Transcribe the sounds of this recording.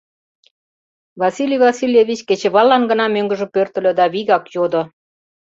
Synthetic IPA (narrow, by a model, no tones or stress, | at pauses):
vɑsilʲivɑsilʲjeβʲit͡ɕket͡ɕĕβɑlːɑnɡənɑmøŋɡə̆ʒə̆pørt̪ə̆lʲø̆d̪ɑβiɣɑkjod̪o